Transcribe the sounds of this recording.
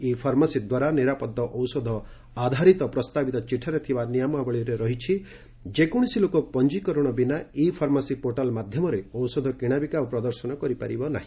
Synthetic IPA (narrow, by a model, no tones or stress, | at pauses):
ipʰaɾmasid̪waɾaniɾapɔd̪ːɔʔɔwsɔd̪ʱɔ | ad̪ʱaɾit̪ɔpɾɔst̪abit̪ɔt͡ʃiʈʰɔɾet̪ʰibanijamabɔɭiɾeɾɔɦit͡ʃʰi | d͡ʒekɔɽ̃isilokɔpɔnd͡ʒikɔɾɔɽ̃ɔbinaipʰaɾmasipoʈalmad̪ʱjɔmɔɾeɔwsɔd̪ʱɔkiɽ̃abikapɾɔd̪ɔɾsɔnɔkɔɾipa̰ɾibɔna̰ɦĩ